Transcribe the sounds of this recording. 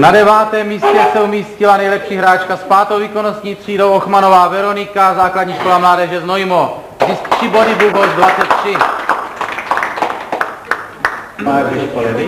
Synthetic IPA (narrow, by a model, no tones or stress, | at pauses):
nadɛvaːt̪ɛːmːiːscɛsɛumiːscɪlanɛjlɛpʃiːɦɾaːt͡ʃkaspaːt̪owviːkonost̪ɲiːt̪r̝̥iːdo̞wʔoxmano̞vaːvɛɾo̞nɪkazaːkladɲiːʃko̞lamlaːdɛʒɛznojmo | zɪskt̪r̥ɪbo̞dɪduɦozdvat͡sɛt̪̚t̪ːr̝̥ɪ